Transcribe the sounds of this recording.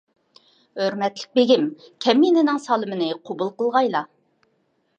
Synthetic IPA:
øɾmɛt̪lɪ̥k̚ʲbeɡʲimkʲʰɛmːinɪnɪŋsɑːlˠɨmɨnɨqʰobulˠqəlˠʁɑjlˠɑ

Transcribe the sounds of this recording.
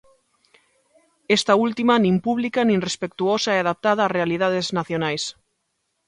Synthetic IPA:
est̪ault̪imanĩmpuβlikanĩnrespek̚t̪uosaeaðap̚t̪að̞aːrealiðað̞eznaθjonajs

